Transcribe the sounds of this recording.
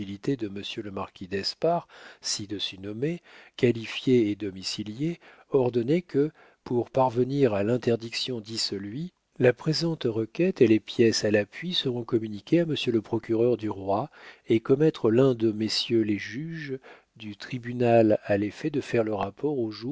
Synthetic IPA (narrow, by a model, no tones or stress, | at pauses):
ilit̪ed̪əməsjøləmaʁkʲid̪ɛspaʁsid̪əsynɔmekalifjeed̪ɔmisilje | ɔʁd̪ɔnɛkə | puʁpaʁvəniʁalɛ̃t̪ɛʁd̪iksjɔ̃d̪isəlɥi | lapχezɑ̃t̪ʁəkʲɛt̪elepjɛsalapɥisəʁɔ̃kɔmynikʲeaməsjøləpχɔkʲyʁœʁd̪yʁwaekɔmɛt̪χəlɛ̃d̪əmesjøleʒyʒ | d̪yt̪χibynalalefɛd̪əfɛʁləʁapɔʁoʒu